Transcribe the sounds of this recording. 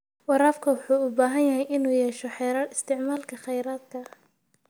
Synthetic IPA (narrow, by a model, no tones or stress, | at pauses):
wɑɾaːfkʰɐwʊħuːʊbaːɦɐnjɐɦɛjʔɪnuːjɛːʃɔħɛjɾaɪst̪ʰɪʕmaːlkʰɐχɛjɾaːd̪̚kʰɐ